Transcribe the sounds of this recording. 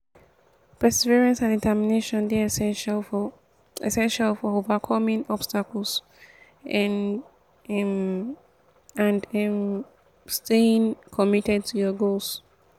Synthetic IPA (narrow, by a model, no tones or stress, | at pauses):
pɛsɛviɹɛ̃nsãnditʰɛmineʃɔ̃nde | ɛ̰sɛ̃nʃalfɔovakʰɔmĩnɔb̥stakl̩ˠs | ãndm | stʰeĩŋkʰɔmitɛd̚tʰujɔɡolˠs